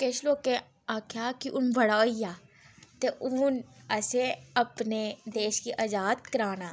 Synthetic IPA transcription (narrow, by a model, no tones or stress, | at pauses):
keːʃloːke | aːkʰjakiʔʊnbɐɽaːijaː | t̪eʔʊnɐseɐpned̪eːʃkiʔɐd͡ʒaːd̪̚kəɾaːnaː